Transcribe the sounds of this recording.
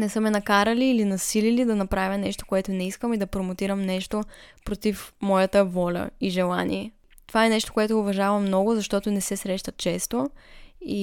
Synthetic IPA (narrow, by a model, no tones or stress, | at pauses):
nɛsɤmɛnɐkaɾɐliːlinɐsililid̪ɐnɐpɾavʲjɐnɛʃt̪o̥koɛt̪onɛiskəmid̪ɐpɾomot̪iɾəmnɛʃt̪opɾot̪ifmɔjət̪əvɔlʲə̰iʒɛlˠanḭɛ | t̪ovaɛnɛʃt̪o̥koɛt̪ʊʊvɐʒavɐmːnɔɡʊzɐʃt̪ɔt̪onɛsɛsɾɛʃt̪ɐt̪̚t͡ʃɛst̪o | i